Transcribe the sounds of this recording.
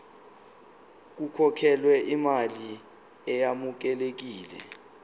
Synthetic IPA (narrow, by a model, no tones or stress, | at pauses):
k̬ukʰɔkʰɛlwɛʔimali | ɛjamuk̬ɛlek̬iːlɛ̰